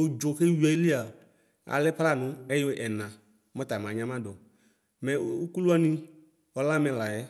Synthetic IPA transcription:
u˨d͡ʒo˨ke˦wi˨˦ɛ˨i˦li˦a˨ | a̰˨lɪ˦pa˦la˦˨nʊ̃˦ɛ˦jo˦ʔɛ˨nã˨ | mɔ˦ta˨mã˨ɲã˦mã˦dɔ˨ | mɛ˨u˦ku˦lu˦a˦ni˦ | ɔ˦la˦mɛ̃˨la˨jɛ˦

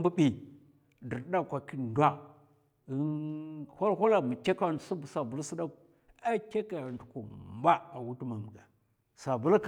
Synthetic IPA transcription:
bu˦bi˨ | də˨ɾda˦˨kʷa˨ki˦ndwa˦˨˦ | ha˦ɾhʷu˦la˨ma˨ka˦ka˦˨n˨su˦bu˨sa˨bu˨˦lsi˦da˦k | a˦ke˦ka˨ndu˨ku˨m˦ba˦a˨wu˦tu˦ma˨bə˨ɡa˨ | sa˨bu˦lk

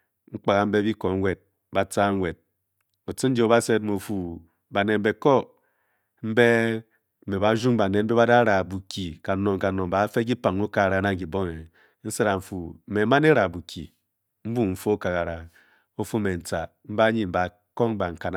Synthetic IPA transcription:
ŋ̩˦k͡pa˨ɣa˨m̩˦be˦bi˦ko˨ŋ˦wʷe˨d̚ | ba˨t͡sa˦ŋ˦wʷe˨d̚ | o˨t͡si˦n̩˦d͡ʒo˦ba˦se˦t̚mo˨fu˨ | ba˨ne˨m̩˦be˨ko˦ | m̩˦be˦˨ | me˨ba˨˦ʒu˦ŋ˦ba˨ne˨m̩˦be˦βa˦da˦ɾa˨bu˨ki˨ka˨no˨ŋ˨ka˨no˨m̩˨ba˨˦fe˦k̬i˦pa˨ŋo˦ka˨a˨ɾa˨˦na˦ŋ˨ki˨bo˦ŋe˨ | n̩˦se˦ɾa˨ɱ̩˨fu˨me˨˦ma˦ne˦ɾa˨bu˨kḭ˨ | m̩˦bu˦m̩˦˨fo˦o˦ka˨ɣa˨ɾa˨ | o˦fu˦me˨n̩˨t͡sa˨ | m̩˦ba˦ɲi˦m̩˨ba˨ | ko˦ŋ˦ba˨ŋ̩˨ka˨n˦

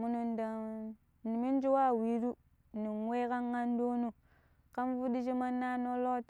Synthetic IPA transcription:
mu˨nu˨nda˨ | ni˨mi˦n˦d͡ʒi˦wa˦˨wi˨ɾu˦˨ | ni˨nwe˦ka˦ŋɡa˦n˦do˦nu˦ | ka˦nvu˦di˦ʃi˦ma˦nːa˦no˦lo˦t

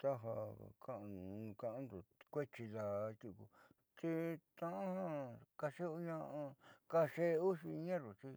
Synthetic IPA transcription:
t̪a˦ɦa̰˧˨kʰã˦ʔkã˧ʔã˧˦nd̪u˨kʷe˦t͡ʃi˧ða˧t̪ʲu˧kṵ˧ | t͡ʃi˧t̪ã˧ʔã˦hã˦ka˧ʂe˦u˧ɲã˧ʔã˧ka˧ʂe˦˧u˦ʂi˧ɲã˦ɾu˨t͡ʃi˧˦

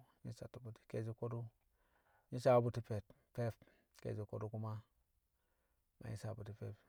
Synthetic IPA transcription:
ɲi˦sa˨tu˨bu˨ti̥˨ke˦˨d͡ʒi˦ko˦du˦ | ɲi˦sa˨˦bu˨ti˦pe˨t | pe˦p | kḛ˨zi˨ko˦du˦ku˦ma˦ | ma̰˨ɲi˦sa˨bu˨ti˨pe˦p

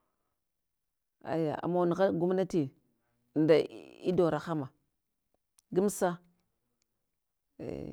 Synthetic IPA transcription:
a̰˨ja̰˨a̰˨ma˦˨n˨ɣa˦lɡu˦mna˦ti˨ | nda˨i˦do˨ɾa˨xa˦ma˨ | ɡi˦m˦sa˦ | ḛ˨

